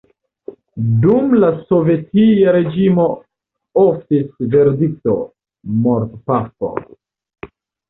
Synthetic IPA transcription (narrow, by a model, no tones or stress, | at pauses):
dumlaso̞ve̞tiaɾe̞d͡ʒimo̞ | oftisve̞ɾdik̚to̞ | moɾtpapo̰